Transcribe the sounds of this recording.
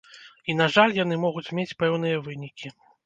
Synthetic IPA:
inaʐalʲjanɨmɔɣut͡sʲmʲet͡sʲpɛwn̪ɨjɐvɨnʲikʲi

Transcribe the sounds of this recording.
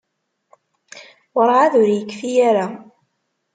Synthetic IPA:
wɑɾˤʕaðʊɾijəkːfijaɾa

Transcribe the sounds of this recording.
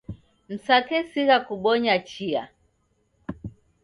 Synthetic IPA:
m̩sakɛsiɣakuɓɔɲat͡ʃia̰

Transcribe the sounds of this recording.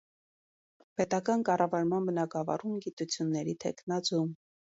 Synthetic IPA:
pɛt̪ɑkɑnkɑrɑvɑɾmɑnbənɑɡɑvɑ̰rumɡit̪ut͡sʰjunːɛɾit̪ʰɛ̰kʰnɑt͡sum

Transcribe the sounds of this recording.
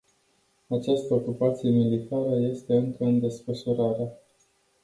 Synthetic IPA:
at͡ʃast̪əokupat̪sije̞milit̪aɾəje̞st̪e̞ɨŋkəɨnd̪e̞sfəʃuɾaɾa

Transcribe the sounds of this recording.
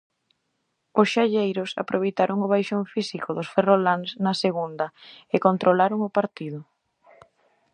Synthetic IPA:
ʊsʃaʎejɾʊsa̰pɾʔoβejt̪aɾʔoŋʊβ̞ajʃoɱfisikoðʊsferolansnɐseɣund̪ɐɪkont̪ɾolaɾoŋopaɾt̪iðʊ

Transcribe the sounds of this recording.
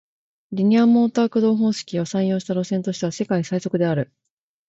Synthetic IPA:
ɾʲiɲ̟iamo̞ːt̪aːkɯ̟d̪o̞ːɦõ̞ːɕi̥kʲio̞sãɰ̃jo̞ːɕi̥t̪aɾo̞sẽ̞nt̪o̞ɕi̥t̪e̞ase̞kaisaiso̞kɯ̟d̪e̞aɾɯ̟

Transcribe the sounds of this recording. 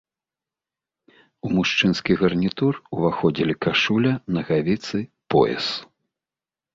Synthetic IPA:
umuʂt͡ʂɨnskʲiɣɐrnʲit̪uruvaxɔd͡zʲilʲikaʂulʲɐnɐɣavʲit̪sɨ | pɔ̰jɛ̰s

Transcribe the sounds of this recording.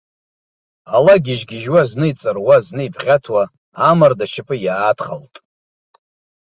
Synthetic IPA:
alaɡʲɪʒɡʲɪʒwaznɨit͡sʼɨrwaznɨibʰχʲatʰwaː | mardaʃɪpʰʼɨjaːtχaltʼ

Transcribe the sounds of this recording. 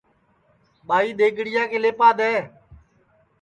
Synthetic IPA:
ɓaːiːɗ̪eːɡʱɽɪjãːkʰẽːleːpaːd̪eː

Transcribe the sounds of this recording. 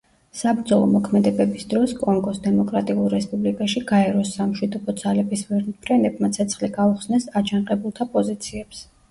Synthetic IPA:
sabɾd̪zɔlˠɔ̰mɔkʰmɛd̪ɛbɛbisd̪ɾɔskʼɔŋɡɔsd̪ɛmɔkʼɾat̪ʼiulˠɾɛspʼublikʼaʃiɡaɛɾɔsːamʃwid̪ɔbɔd̪z̥alɛbisvɛɾnpʰɾɛnɛbmat̪sʰɛt̪sʰχliɡauχsnɛsat͡ʃʰanqʼɛbulˠt̪ʰapʼɔzit̪sʰiɛps

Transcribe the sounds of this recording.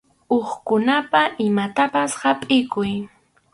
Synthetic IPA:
oχkʊnapaʔɪmat̪apashapʼɪkʊj

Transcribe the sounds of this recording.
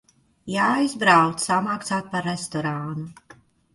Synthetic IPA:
jaːjzbɾawt̪samaktsaːt̪̚paɾest̪ɔɾaːnu

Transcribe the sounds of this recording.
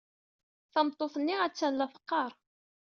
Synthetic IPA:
θɑmt̪ˤːoθnːiæt͡sːænlæfə̥qːɑɾˤ

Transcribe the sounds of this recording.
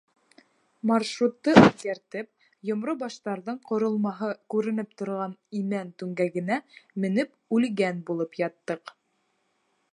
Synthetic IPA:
mɑrʃrut̪ːɤʉθkæɾt̪ɘp̚ | jŏmɾobɑʃt̪ɑɾðɤɴqŏɾŏlˠmɑɦɤkʉɾɘ̆nɘp̚t̪ŏɾʁɑnimænt̪ʉŋɡæɡɘ̆næmɘ̆nɘp | ʉlɡænbulˠɤpjɑt̪ːɤq

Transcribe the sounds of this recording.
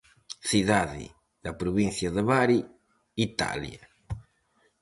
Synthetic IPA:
siðaðḭ | ð̥apɾuβinθjaðəβaɾi | it̪a̰ljɐ

